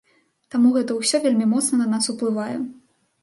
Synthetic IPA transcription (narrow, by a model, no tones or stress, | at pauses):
t̪amuɣɛt̪ɐwsʲɔvʲelʲmʲimɔt̪snɐnɐnasuplˠɨvajɛ̰